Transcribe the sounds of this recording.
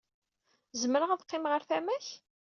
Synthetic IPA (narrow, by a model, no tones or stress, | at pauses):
zəmɾəʁðqːɪmʁəɾθæmæç